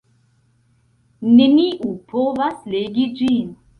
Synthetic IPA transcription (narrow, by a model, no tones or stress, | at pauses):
neniʔupʰovasleɡid͡ʒin